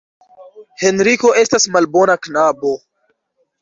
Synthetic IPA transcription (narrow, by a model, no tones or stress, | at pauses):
he̞nɾiko̞e̞stasmalbo̞naknabo̞